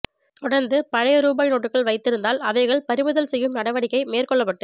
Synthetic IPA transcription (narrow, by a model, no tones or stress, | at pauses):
t̪ɔɽɐɾnd̪ɯpɐɻɐjɐɾuːbaːjnoːʈːɯkːɐɭʋɐɪt̪ːɪɾɯnd̪aːlɐʋɐɪɣɐɭpɐɾɪmɯðɐlsɛjːɯmnɐɽɐʋɐɽɪkːɐɪmeːrkɔɭːɐpːɐʈːɯ